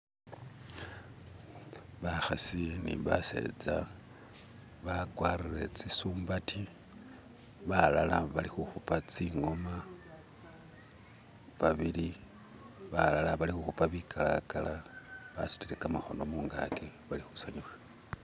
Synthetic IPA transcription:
βaxasinḭβa̰se̞̰d͡za | βakwaːrire̞̰t͡sisuːmbatʰi | βalalaβalixuxupat͡siŋo̞ma | βaβili | βalalaβalixuxupaβikʰalakalaβa̰su̥tiɾe̞kamaxo̞no̞muːŋɡa̰ke | βalixusaɲixḁ

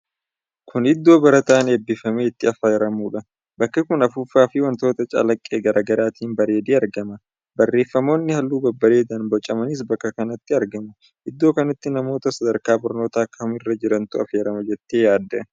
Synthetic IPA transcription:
kʰʊnɪd̪ːo̞ːbɐɾɐt̪aːneːbːɪfɐmeːɪt̪ːɪɐfɐːjɛɾɐmuːᶑɐ | bɐkːɐkʊnɐfʊfaːfɪwɐnt̪o̞ːt̪ɐt͡ʃʼɐ̰lɐkʼːeːɡɐɾʔaːɡɐɾaːt̪iːnbɐɾe̞ːd̪eːɐɾɡɐmɐ | bɐrːe̞ːfːɐmo̞ːnːɪhɐlːuːbɐbːɐɾeːd̪ɐnbɔt͡ʃʼɐmɐnɪs̬bɐkːɐkɐnɐt̪ːɪɐɾɡɐmɐ | hɪd̪ːo̞ːkɐnɐt̪ːɪnɐmo̞ːt̪ɐsɐd̪ɐɾkaːbʊɾno̞ːt̪aːkːɐʊmɪrːɐd͡ʒɪɾɐnt̪ʊɐ̰feːɾɐmɐd͡ʒɛt̪ːe̞ːjaːd̪ːɛ

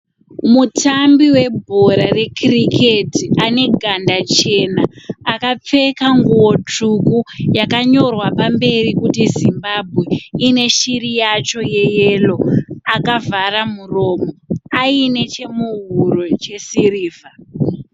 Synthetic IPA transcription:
mutambiwe̞bʱo̞ɾare̞krikʰetiʔane̞ɡʱandat͡ʃe̞naːkap͡fe̞kaŋɡuwo̞t͡ʂukujakaɲo̞rwapambe̞rikutizimbabʱwe̞ine̞ʃirijat͡ʃo̞je̞jelo̞akavʱaramuro̞ːmo̞aine̞t͡ʃe̞muɦuɾo̞t͡ʃe̞siriːva

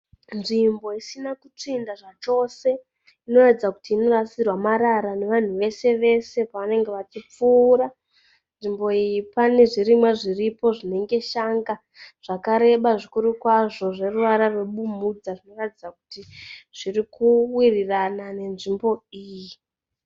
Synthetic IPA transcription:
nʐimbo̞isinakut͡ʂindaʐat͡ʃo̞se̞ | ino̞ratid͡zaku̥tiːno̞rasirwamaɾaɾane̞ʋan̤uʋe̞se̞ʋe̞se̞paʋane̞ŋɡe̞ʋat͡ʃip͡fuːɾa | nʐimbo̞ijipane̞ʐirimwaʐiripo̞ʐine̞ŋɡe̞ʃaŋɡa | ʐ̥akaɾe̞ɓaʐikuɾukwaʐo̞ʐe̞ruʋaɾarweɓumud͡zaʐino̞ratid͡zaku̥tiʐ̥irikuwiriranane̞nʐimbo̞iːji

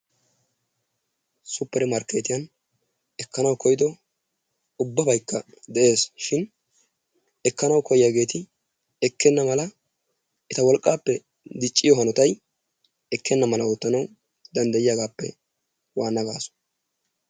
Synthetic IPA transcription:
sʊpːɛɾɛmɐɾkːeːt̪ɪjɐn | ɛkːɐnɐwkɔjɪd̪ɔ | ʊbːɐbɐjkːɐ | d̪ɛʔe̞ːsʃɪn | ɛkːɐnɐwkʰɔjɪjaːɡe̞ːt̪ɪ | ɛkːɛnːɐmɐlɐ | ɛt̪ɐwɔlkʼːaːpːɛ | d̪ɪt͡ʃʼːɪjɔɦɐnɔt̪ɐj | ɛkːɛnːɐmɐlɐoːt̪ːɐnɐw | d̪ɐnd̪ɐjɪjaɡaːpːɛ̰ | waːnːɐɡaːsʊ̥

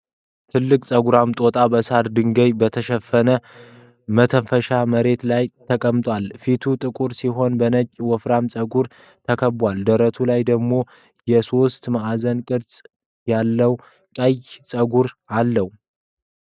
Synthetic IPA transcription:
t̪ʰɨlːɨkʼsʼəɡuɾamt̪ʼo̞t̪ʼabəsaɾd̪ɨŋɡəjbət̪ʰəʃɛfːənə | mət̪ʰəfəʃaməɾe̞t̪lajt̪ʰəkʼəmt̪ʼwalfit̪ʰut̪ʼɨkʼuɾsiɦo̞nbənət͡ʃʼːwɔfɾamsʼəɡuɾ | t̪ʰəkʰəbwald̪əɾət̪ʰulajd̪əɡmo̞ | jɛso̞st̪maʔazənkʼɨɾsʼ | jalːəw | kʼəjsʼəɡuɾalːəhwu

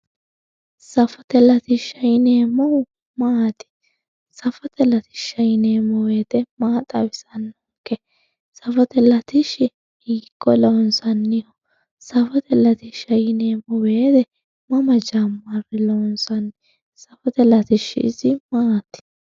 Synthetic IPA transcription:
sɐfɔt̪ɛlɐt̪ɪʃɐjɪneːmɐw | maːt̪ɪ̥ | sɐfɔt̪ɛlɐt̪ɪ̥ʃɐjɪneːmɔwe̞ːt̪ɛmaːt̪ʼɐwɪsɐnːɔ | kːɛ | sɐfɔt̪ɛlɐt̪ɪʃɪ | hiːkʼːɔlɔnsɐnːɪhɔ | sɐfɔt̪ɛlɐt̪ɪʃɐjɪneːmɔweːt̪ɛ | mɐmɐd͡ʒamːɐrɪlɔnsɐnːɪ | sɐfɔt̪ɛlɐt̪ɪʃːɪ̰ɪzɪmaːt̪ɪ̥

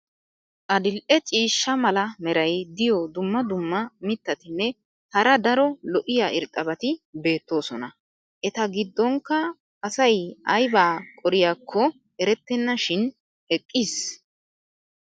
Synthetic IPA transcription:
ʔɐd̪ɪlʔɛt͡ʃʼiːʃːɐmɐlɐmɛɾɐjd̪ɪjɔd̪ʊmːɐd̪ʊmːɐmɪt̪ːɐt̪ɪnːɛ | hɐɾɐd̪ɐɾɔlɔʔɪjaːʔɪɾt̪ʼːɐbɐt̪ɪbe̞ːt̪ːo̞ːsɔnɐ | ʔɛt̪ɐɡɪd̪ːɔŋkːɐː | sɐjʔɐjbaːkʼɔɾɪjaːkʰːɔ | ɛɾɛt̪ːɛnːɐʃɪn | ɛkʼːis

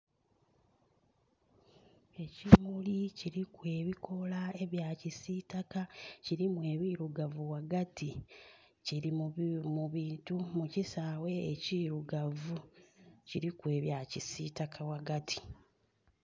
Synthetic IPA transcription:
e̞cimuliciɾikwe̞ːβikʰo̞lae̞βjaːcisiːtakaciɾimwe̞ːβiːɾuɡavuwaɡati | ciɾimuβiːntumucisaːwe̞ːciːɾuɡavuciɾikwe̞ːβjaːcisitakʰawaɡatʰi̥

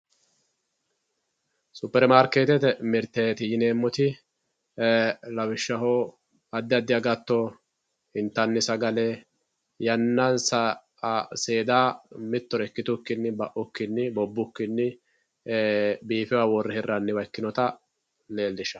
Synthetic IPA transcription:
sʊpːɛɾmaːɾkeːt̪ɛt̪ɛmɪɾt̪ːeːt̪ɪjɪne̞ːmːɔt̪ɪ | lɐwɪʃːɐɦoː | ɐd̪ːɪɐd̪ːɪɐɡɐt̪ːɔ | hɪnt̪ːɐnːɪsɐɡɐlɛ | jɐnːɐnsɐ | se̞ːd̪aːmɪt̪ːɔɾɛkːɪt̪ʊkːɪnːɪbɐʔʊkːɪnːɪbɔbːʊkːɪnːɪ | biːfɛwaːwɔrːɛhɪrːɐnːɪwɐjkːɪnɔt̪ɐ | le̞ːlːɪʃɐ̥

